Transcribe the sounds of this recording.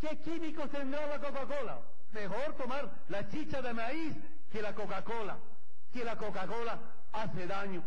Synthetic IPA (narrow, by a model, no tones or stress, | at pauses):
kekimikost̪end̪ɾalakokakola̰ | mexoɾt̪omaɾ | lat͡ʃit͡ʃaðemais | kelakokakola̰ | kelakokakola | aseðaɲo